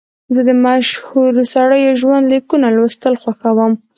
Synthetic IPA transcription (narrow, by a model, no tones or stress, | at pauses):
zəd̪əmaʃhuɾsaɽəjoʒwand̪likunalwəst̪əlxwaxawəm